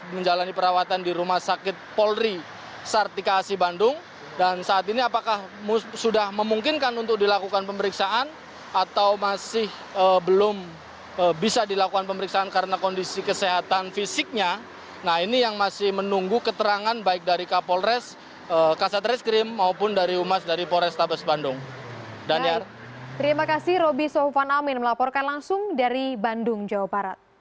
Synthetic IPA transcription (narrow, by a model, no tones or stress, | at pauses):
məɲd͡ʒalanipəɾawat̪andiɾumahsakɪt̪̚pɔlri | sart̪ikaːsibandʊŋ | dansaːt̪iniapakahmsudahməmuŋkɪnkanunt̪ʊk̚dilakukanpəməɾiksaʔan | at̪awmasɪh | əbəlʊm | əbisadilakukanpəməɾiksaːnkaɾənakondisikəseɦat̪anfisɪk̚ɲa | nahinijaŋmasɪhmənuŋɡukət̪əɾaŋanbaɪk̚daɾikapɔlrɛs | əkasat̪ɾɛskɾɪmːaupʊndaɾiumasdaɾipɔlɾɛst̪abasbandʊŋdaniar | t̪əɾimakasɪhɾobisɔfanamɪnməlapɔrkanlaŋsʊŋdaɾibandʊŋd͡ʒawabaɾat̪̚